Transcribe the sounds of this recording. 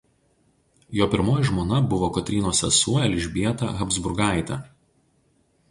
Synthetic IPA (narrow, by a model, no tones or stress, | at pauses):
joːpʲɪɾmoːjɛʒmoːnɐbʊʋoːkɐt̪ʲɾʲiːnoːsʲɛ̰suɔɛlʲɪʒʲbʲiɛt̪ɐ̰ɣɐbzbʊɾɡɑˑɪt̪ʲɐˑ